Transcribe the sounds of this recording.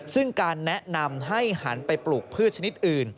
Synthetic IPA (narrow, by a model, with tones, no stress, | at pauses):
sɯ˥˩ŋkaː˧nːɛ˦˥ʔna˧mɦa˥˩jha˩˦npa˧jpluː˨˩k̚pʰɯː˥˩t̪̚t͡ɕʰa˧ni˦˥t̪̚ʔɯː˨˩n